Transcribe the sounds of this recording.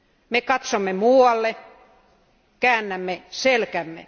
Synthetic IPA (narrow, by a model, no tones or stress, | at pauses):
mekɑt̪somːemuːɑlːe | kæːnːæmːeselkæmːḛ